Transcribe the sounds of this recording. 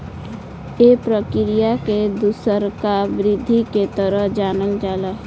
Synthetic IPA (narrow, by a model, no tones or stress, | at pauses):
jepɾəkɪɾijaked̪usəɾkabɾɪd̪ʱːiket̪əɾəɦd͡ʒaːnəld͡ʒaːla